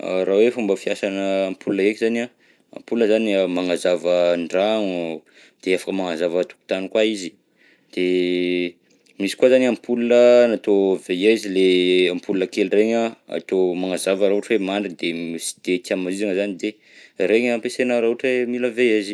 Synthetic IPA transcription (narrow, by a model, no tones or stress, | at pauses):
rawefumbəfiasanəːmpʰulunəekizana | a̰mpuləzanimaŋazavəɳɖ͡ʐaŋ | d̪̥eafḁkəmaŋazavət̪u̥ku̥t̪anikwaizi̥ | d̪̥e | misi̥kwazaniampʰulunənat̪ovejaizileampulunəkelireɲaa̰t̪omaŋazavəɾaɦuʈ͡ʂwemaɳɖ͡ʐid̪emisi̥d̪̥et̪iamazizaŋəzanid̪e | reɲampesenəɾaɦuʈ͡ʂemiləveazi̥